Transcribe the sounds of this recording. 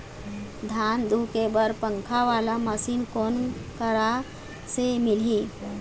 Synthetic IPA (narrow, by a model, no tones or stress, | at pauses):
d̪ʱand̪ʱukebəɾpəŋkʰaʋalaməsiːnkonkəɾa | semilɦĩ